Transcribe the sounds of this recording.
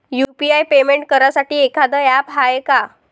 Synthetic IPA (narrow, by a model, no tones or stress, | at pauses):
jupiajpemeɳʈ̚kəɾasaʈiːekʰad̪əjapɦaeka